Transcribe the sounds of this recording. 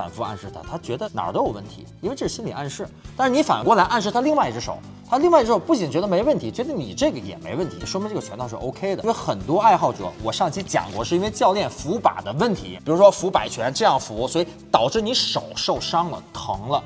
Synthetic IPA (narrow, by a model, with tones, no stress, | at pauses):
fa̰˨˩nfu˧a̰˥˧nʂɻ̩˥˩t̪ʰa̰˥˩t̪ʰa˥t͡ɕɥɛ˧˥d̪ə˧nɑ̰˨˩t̪ə˧jo˨˩wə˥˩nt̪ʰḭ˧˥i˥nwe˥˧ɪʈ͡ʂɤ˥˩ʂ̩˥˧ɕi˥nli˨˩ʔa˥˧nʂɻ̩˥˩t̪a˥˧ʂɻ̩˥˧ni˧˥fa̰˨˩nkwɔ˧˥˩la˧˥ɪʔa˥˧nʂɻ̩˥˩t̪ʰa˥li˥˧ŋwa˥˧ɪ˧ʈ͡ʂɻ̩˧˥ʂo̰˨˩˦ʊ | t̪ʰa˥li˥˧ŋwa˥˩ɪ˧ʈ͡ʂɻ̩˥˩ʂo˧˩ʊpu˥˩t͡ɕi˨˩nt͡ɕɥɛ˧˥d̪wə˥˩nt̪ʰi˧˥t͡ɕɥɛ˧˥d̪ə˧ni˨˩ʈ͡ʂɤ˥˩ɡə˩jɛ̰˨˩mḛ˧˥ɪ˧wə˥˩nt̪ʰi˧˥ʂwɔ˥m˧˥n˥ʈ͡ʂɡə˩t͡ɕʰɛ˧˥nt̪ɑ˥˧ʊʂɻʔo˥ʊkʰe˥ɪd̪ə˨˥we˥˧ɪxə˨˩nt̪wɔ˥a˥˧ɪxɑ˥˩ʊʈ͡ʂɤ̰˨˧˥wɔ˨˩ʂɑ˥˧˩ŋt͡ɕʰi˥t͡ɕjɑ̰˨˩ŋkwɔ̰˧˥ʂɻ̩˥˩˧i˥n˥e˧ɪt͡ɕjɑ˥˧ʊljɛ˥˩nfu˧˥pa̰˨˩d̪ə˦wə˥˩nt̪ʰḭ˧˥pi˨˩ɻu˧˥ʂwɔ˥fu˧˥pa˨˩ɪt͡ɕʰɥɛ˧˥nʈ͡ʂɤ˥˧jɑ˥˩ŋfu˧˥swɔ˧˥i˨˩t̪ɑ˨˩ʊʈ͡ʂɻ̩˥˩ni˧˥ʂo˨˩ʊʂo˥˩ʊʂɑ˥ŋlə̰˨tt̪ʰɤ˧˥ŋlə˧